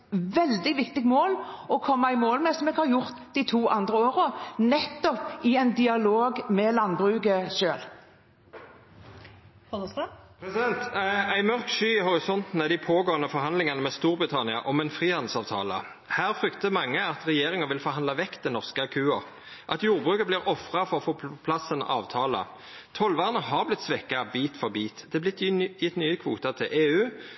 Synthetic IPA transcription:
ʋɛld̪ɪʋɪkt̪ɪɡmoːl | ɔkʰɔmːɑæɪmoːlmɛsɔmɛːɡhɑɾjʊʁt̪d̪ɪt̪ʰuːʔɑnd̪ɾəoːɾənɛt̪ːɔpɪɛɪnd̪ɪɑloːɡmɛlɑnbʁʉːɡəʃøːl | ɔspʰɾɛsɪd̪ɛnt̪æɪmœʁkʃyːɪhɔɾɪsɔnt̪n̩æd̪ɪpʰoːɡoːənəfɔʁhɑnd̪lɪŋɑnəmɛst̪uːʁbʁɪt̪ʰɑnɪɑ̰ʔɔmɛnfɾiːhɑnd̪̩sɑːʋt̪ʰɑ̰ːlə̰ | hæːʁfʁʏkt̪əmɑŋːəɑt̪ʁɛjeːʁɪŋəʋɪlfɔʁhɑnd̪lɑʋɛkt̪d̪ɛnɔʁskəɑkʰʉːɑʁ | ʔɑt̪juːʁbʁʉːkəbliːʁɔfʁɑfɔʁɔfoːpʰlɑsənʔɑ̰ːʋt̪ʰɑːlə̰ | t̪ʰɔlʋɑːʁənəɦɑʁblɪt̪sʋɛkːɑbiːt̪fɔʁbiːt̪d̪ɛblɪt̪jɪt̪nyːəkʰʋuːt̪ɑt̪ʰɪlʔeːʉː

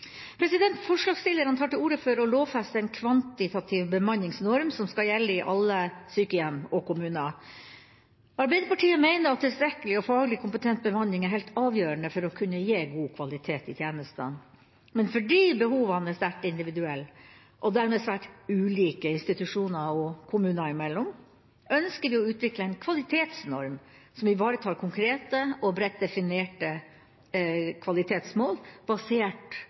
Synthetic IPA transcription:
pʰɾɛsɪd̪ɛnt̪fɔʂɭɑːɡst̪ɪlːəɾɑnt̪ʰɑːʈɪluːɾəfɔɾɔloːʋfɛst̪əɛɪnkʰʋɑnt̪ɪt̪ʰɑt̪ʰɪʋbəmɑnːɪŋsnɔɾmsɔmskɑjɛlːəɪʔɑlːəsyːkəjɛmɔkʰʊmʉːnə | ɑɾbɛɪd̪əpɑʈiːəmæɪnəɾɑt̪ʰːɪlst̪ɾɛkːəlɪɔfɑːɡəlɪkʰʊmpət̪ʰɛnt̪̚bəmɑnːɪŋæɾɦɛɪlt̪ɑːʋjøːɾəɳəfɔɾɔkʰʉnːəjeːɡuːkʰʋɑlɪt̪ʰeːt̪ɪt̪ʰjeːnəst̪ə̰n | mɛnfɔɖiːbəhuːʋɑnəæst̪æʈɪnd̪ɪʋɪd̪ʉɛlː | ʔɔd̪æɾmɛːsʋæːʈʉːliːkəɪnst̪ɪt̪ʉʂuːnɑɔkʰʊmʉːnɑɪmɛlːɔm | ʔœnskəʋɪɔʉːt̪ʰʋɪkləɛɪnkʰʋɑlɪt̪ʰeːt̪snɔɾmsɔmʋɪbɑːɾət̪ʰɑːɾkʰʊŋkʰɾeːt̪əɔbɾɛt̪̚d̪ɛfɪneːʈə | kʰʋɑlɪt̪ʰeːt̪smoːlb̥ɑseːʈ

